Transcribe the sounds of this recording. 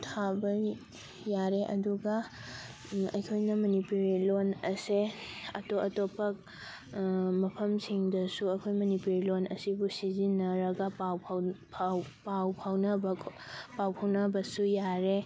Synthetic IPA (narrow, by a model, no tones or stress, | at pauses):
tʰabɐ | jaɾeʔɐduɡɐ | ɐ̰jkʰojnɐmɐnipuɾilonɐseɐtoʔɐtopʰɐk̚ | mɐpʰɐmsiŋdɐsuɐjkʰojmɐnipuɾilonɐsibusizinɐɾɐɡɐpawppʰwpawpʰawnɐbɐ | pawpʰawnɐbɐsujaɾe